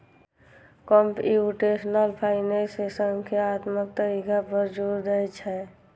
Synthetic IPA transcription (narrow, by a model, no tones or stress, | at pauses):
kəmpiuʈesnəlpʰaɪnesesəŋkʰjaːt̪mək̚t̪əɾikabəɾd͡ʒud̪ɾət͡ʃʰɛ